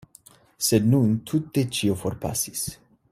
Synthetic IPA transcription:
sednunt̪ʰut̪̚ːet͡ʃioforpʰa̰sis

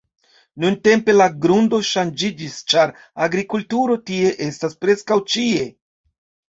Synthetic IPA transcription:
nunte̞mpe̞laɡɾundo̞ʃand͡ʒid͡ʒist͡ʃaɾ | aɡɾikultuɾo̞tie̞ʔe̞staspɾe̞skawt͡ʃie̞

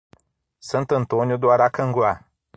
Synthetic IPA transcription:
sənt̪ənt̪onʲjud̪uaɾakəŋɡula

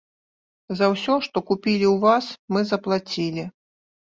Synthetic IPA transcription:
zɐwsʲɔʂt̪ɔkupʲilʲiwvasmɨzɐplˠat͡sʲilʲi

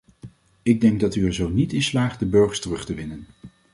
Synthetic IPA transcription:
ɪɡ̚dɛŋɡ̚dɑtyɛɹzownitɪnslaːχtdəbɵɹχəɹstərɵχtəʋɪnən

